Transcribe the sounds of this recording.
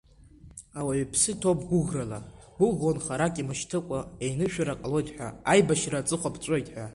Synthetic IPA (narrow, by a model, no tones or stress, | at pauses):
awaɥipʰsɨtʰo̞pʰʼɡʷʊɣrala | ɡʷʊɣonχaɾakʼimɨʃtʰɨkʷʼae̞jnɨʃᶣaɾaqʼlo̞jtʼħʷᶣa̰ajbaʃrat͡sʼɨχʷapʰt͡ʃʷʼo̞jtʼħʷᶣa